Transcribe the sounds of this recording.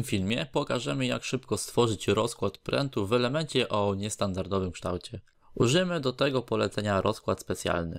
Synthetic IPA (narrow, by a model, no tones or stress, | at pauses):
mfʲilmʲjɛpɔkaʐɛmɘja̰kʂɘpkɔst̪fɔʐɘt͡ɕɾɔskwat̪pɾɛ̰nt̪uvɛlɛmɛnt͡ɕɛʔɔɲɛst̪and̪aɾd̪ɔvɘmkʂt̪a̰wt͡ɕɛ | uʐɘmɘd̪ɔt̪ɛɡɔpɔlɛt̪sɛɲaɾʔɔskwat̪spɛt̪sʲja̰lnɘ̰